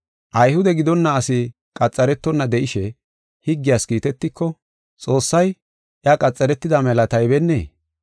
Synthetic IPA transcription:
ʔɐjhʊd̪ɛɡɪd̪ɔnːɐːsɪ | kʼɐt͡sʼːɐɾɛt̪ːɔnːɐd̪ɛʔɪʃɛ | hɪɡːɪjaːskiːt̪ɛt̪ːɪkːɔ | t͡sʼo̞ːsːɐj | ʔjɐkʼɐt͡sʼːɐɾɛt̪ːɪd̪ɐmɛlɐt̪ɐjbɛnːḛː

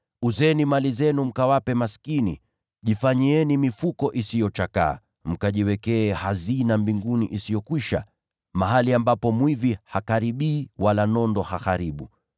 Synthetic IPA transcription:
uzɛnimalizɛnum̩kawapɛmaskinḭ | ʄifaɲiɛnimifukɔʔisijɔt͡ʃaka̰ː | m̩kaʄiwɛkɛːhazinambiŋɡunḭʔisijɔkwiʃa̰ | maɦaliambapɔmwivihakaɾiɓiːwalanɔndɔhaxaɾiɓu

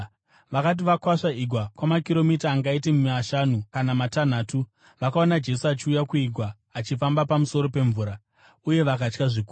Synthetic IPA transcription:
ʋakat̬iʋakwaʂaiɡʱwakwamakiɾo̞mitaːŋɡaitemumaʃanukanamatan̤aːtu | ʋakaonad͡ʒe̞suat͡ʃiujakuiɡʱwaː | t͡ʃifambapamuso̞ɾo̞pe̞ɱvuːɾa | uje̞ʋakat͡ʃkaʐikuː

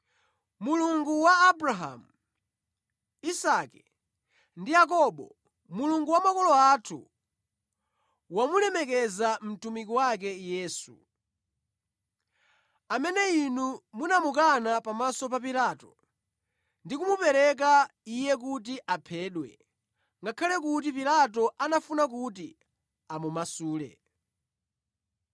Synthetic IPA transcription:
muluŋɡuwaːbɾaɦa̰mu | isakɛ | ndijak̬ɔɓɔ̰ | muluŋɡuwamakɔlɔatʰṵ | wamulɛmɛkɛzam̩tumikiwak̬ɛjɛːsṵ | amɛnɛinumunamukanapamasɔpapilaːtɔ | ndikumupɛɾɛk̬aijɛk̬ut̬iʔapʰɛːɗwɛ | ŋɡakʰalɛkut̬ipilat̬ɔʔanafunak̬ut̬i | amumasuːlɛ̰

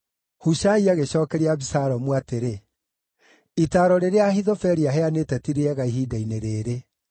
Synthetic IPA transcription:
huʃaiaɣeɕɔːkɛɾeaβisaɾɔmwateɾe | itaːɾɔɾeɾeaɦiðɔfɛɾiaɦɛanetɛtiɾeɛɣaiɦidaineɾeːɾe

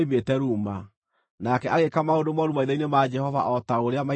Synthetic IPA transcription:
iβetɛɾuma | nakɛʔaɣekamaondomɔɾumaiðainemad͡ʒɛhɔva̰ʔɔtaoɾeama

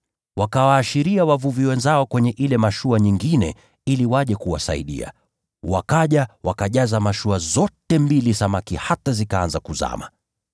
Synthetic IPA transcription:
wakawaːʃiɾiawavuviwɛnzaɔkwɛɲɛʔilɛmaʃuaɲiŋɡinɛ̰ | iliwaʄɛkuwa̰sa̰ḭɗḭa̰ | wakaʄawakaʄazamaʃuazɔtɛmbilisamakihatazikaanzakuza̰ma̰

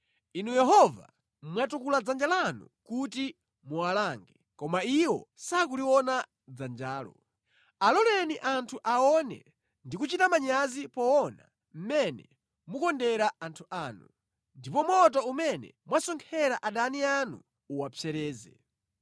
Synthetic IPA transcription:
inujɛɦɔva̰ | mwatukulad͡zand͡ʒalanṵkuti | muwalaːŋɡɛ | kɔmaiwɔ̰sakuliwɔna | d͡zand͡ʒaːlɔ̰ | alɔlɛniʔantʰuʔaɔnɛ̰ | ndikut͡ʃitamaɲazipɔɔna̰ | m̩mɛnɛ̰ | mukɔndɛɾaantʰuʔaːnu | ndipɔmwɔt̬ɔumɛnɛ̰mwasɔŋkʰɛɾaʔaɗanianuː | wapfʰɛɾɛːzɛ

